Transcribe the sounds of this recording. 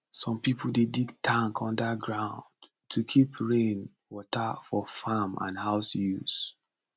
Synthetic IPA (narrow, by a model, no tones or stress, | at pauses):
sɔ̃mpipl̩ˠdediɡtʰãŋkʰɔ̃ndəɡɹãʊ̃nd | tʰukʰipʰɹẽn | wɔtəfɔfamã̰nhaʊsjṵs